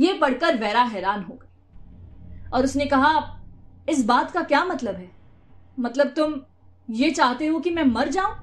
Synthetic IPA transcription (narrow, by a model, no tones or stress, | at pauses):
jeːpɐɽ̤kəɾʋɛːɾaɦɛːɾaːnɦoːɡɐiː | ɔːɾʊsnekɐɦa | ɪsbaːt̪kakjaːmɐt̪ləbɦɛː | mɐt̪ləb̚t̪ʊm | jeːt͡ʃaːɦt̪eɦokimɛ̃ːmɐɾd͡ʒaːõː